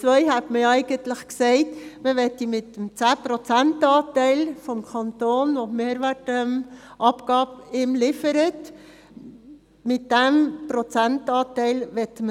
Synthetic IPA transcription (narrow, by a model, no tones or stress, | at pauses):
t͡sʋœʏɦɛtməjɛɪɡəntləχksɛɪtməʋɛtimɪtːəmt͡sæːpɾɔt͡sæntɑːtɛɪlfɔmkʰɑntoːnʋomeːɾʋærtmʔɑpɡ̥ɑːbɪmlɪfəɾət | mɪtd̥æmpɾot͡sæntɑːtɛɪlʋɛtmə